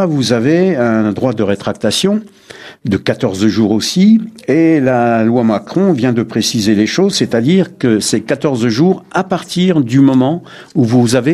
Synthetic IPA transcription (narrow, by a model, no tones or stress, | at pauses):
vuzaveɛ̃d̪ʁwad̪əʁet̪χak̚t̪asjɔ̃ | d̪əkat̪ɔʁzʒuʁosielalwamakχɔ̃vjɛ̃d̪əpχesizeleʃozsɛt̪ad̪iʁkəsɛkat̪ɔʁzʒuʁapaʁt̪iʁd̪ymɔmɑ̃ | uvuzave